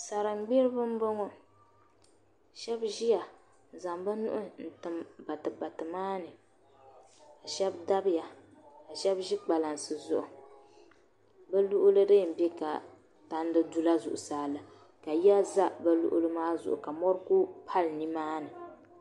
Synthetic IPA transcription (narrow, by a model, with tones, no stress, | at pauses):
sa˨ɾɨ˨ŋ͡mɡ͡be˦ɾɨ˦bɨ˦m˦bo˦ŋɔ˦ | ʃɛ˦bʒi˦ja˨ | za˨mba˦nṵ˦ʔʊ˦n̩˨tɨ˨mba˨tɨ˨ba˨tɨ˨maː˦nɨ˨ | ka˨ʃɛ˦bda˦bja˨ka˨ʃɛ˦bʒi˦k͡pa˨la˨nsɨ˨zʊ˦˨ʔʊ˨ | ba˦lu˦ʔʊ˦lɨ˦dɨ˦˨m̩˨bɛ˦ka˨ | ta˨n˦dɨ˦du˦la˦zʊ̰˨ʔʊ˨saː˦lɨ˨ | ka˨ja˦za˦bɛ˦lṵ˦ʔʊ̰˦lɨ˦maː˦zʊ̰˨ʔʊ̰˨ka˨mɔ˦ɾku˦pʰa˦lni˦maː˦nɨ˨